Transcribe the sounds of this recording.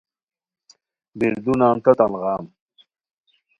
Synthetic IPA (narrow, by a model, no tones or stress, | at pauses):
biɾd̪unaːnt̪ɐt̪ɐnʁaːm